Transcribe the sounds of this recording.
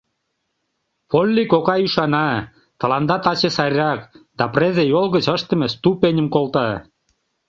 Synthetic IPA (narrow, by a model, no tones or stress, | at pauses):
polʲːikokɑjyʃɑnɑ | t̪ə̆lɑnd̪ɑt̪ɑt͡ɕesɑɾʲɑkd̪̥ɑprezejolˠɣə̆t͡ɕəʃt̪ə̆mest̪upenʲə̆mkolˠt̪ɑ